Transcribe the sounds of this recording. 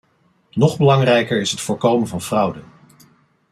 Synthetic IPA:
nɔχbəlɑŋrɛjkəɹɪsɦətfʊːɹkowmənvɑnv̥rɑwdən

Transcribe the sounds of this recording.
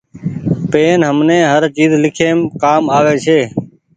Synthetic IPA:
peːnɦəmnẽːɦəɾt͡ʃiːzlɪkʰeːmkaːmaːʋeːt͡ʃʰeː

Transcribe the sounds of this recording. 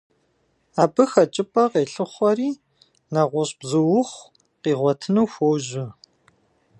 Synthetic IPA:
aːbɨxɐt͡ʃʼɪpʼɐqeːɬɨχʷɔriː | nɐʁʷʊɕʼbzɨwʊχʷ | qiːʁʷɔtʰɨnuwxʷowʒɪ

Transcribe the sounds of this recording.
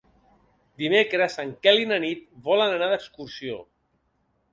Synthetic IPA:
d̪imekɾəzəŋkɛlinənit̪βɔlənənaðəkskuɾsio̰

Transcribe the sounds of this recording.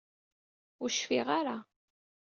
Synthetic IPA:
ʊɾʃfiʁaɾa

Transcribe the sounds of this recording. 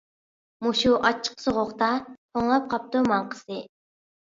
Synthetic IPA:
muʃuʔɑt͡ʃʰːə̥qsoʁoχt̪ɑt̪ʰoŋlˠɑp̚qʰɑp̚t̪umɑɴqʰə̥sɨ

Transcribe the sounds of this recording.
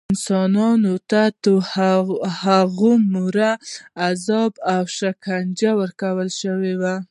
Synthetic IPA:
ɪnsɑnɑnot̪at̪o | haɣumuɾaːzɑbawʃakʰand͡ʒawəɾkawəlʃəwewa

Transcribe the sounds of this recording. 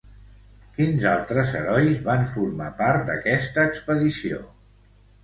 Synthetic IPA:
kinzalˠt̪ɾəzəɾɔjzβaɱfuɾmapaɾt̪̚d̪əkɛst̪əːkspəðisio̰

